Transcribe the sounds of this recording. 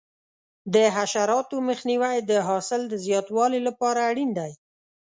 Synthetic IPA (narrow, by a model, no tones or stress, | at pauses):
d̪əɦaʃaɾɑt̪oməxniwajd̪əɦɑsɪld̪əzjɑt̪wɑlelapɑɾaːɽind̪aj